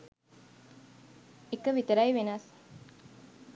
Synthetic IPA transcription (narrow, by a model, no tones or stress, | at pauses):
ekəʋit̪əɾajʋenas